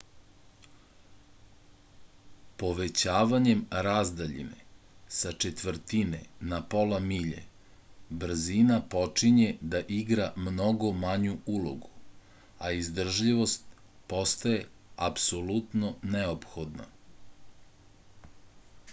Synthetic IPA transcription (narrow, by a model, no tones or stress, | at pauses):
po̞ʋe̞t͡ɕaːʋaɲe̞mɾazd̪aʎḭnḛ | sat͡ʃe̞t̪ʋr̩t̪ine̞̰napo̞lamiʎḛ | br̩zinapo̞t͡ʂiɲe̞d̪aʔiɡɾamno̞ɡo̞maɲuulo̞̰ɡu | aizd̪r̩ʒʎiʋo̞st̪ | po̞st̪aje̞ | apsolut̪no̞neopxo̞d̪na̰